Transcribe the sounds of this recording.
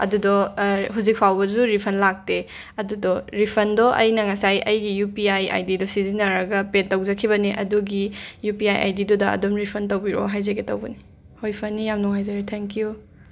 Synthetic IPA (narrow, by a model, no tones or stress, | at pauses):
ɐ̰dudɔɦuzik̚pʰawbɐzuɾipʰɐnlak̚te | ɐdudɔɾipʰɐndɔʔɐjnɐŋɐsajɐjɡijupiaja̰jdidɔsizinɐɾɐɡɐpetːɐwzɐkʰiβɐniʔɐ̰duɡijupiajʔa̰jdidɔdɐɐ̰dɔmɾipʰɐntɐwbiɾɔ̰ɦajzeɡetɐwbɐni | hojpʰɐnːijamnɔŋajzeɾetʰeŋkiju